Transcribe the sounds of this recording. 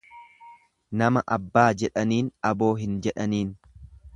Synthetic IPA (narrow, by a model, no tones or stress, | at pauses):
nɐmɐʔɐbːaːd͡ʒɛᶑɐniːnɐbo̞ːɦɪnd͡ʒɛᶑɐniːn